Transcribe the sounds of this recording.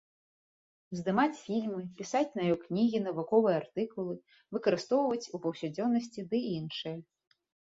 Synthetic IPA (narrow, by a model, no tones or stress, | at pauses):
zd̪ɨmat͡sʲfʲilʲmɨpʲisat͡sʲnɐjɔknʲiɣʲin̪ɐvukɔvɨjɛart̪ɨkulˠɨ | vɨkɐɾɨst̪ɔwvɐt͡sʲupɐwsʲad͡zʲɔnːɐsʲt͡sʲid̪ɨinʂɨjɐ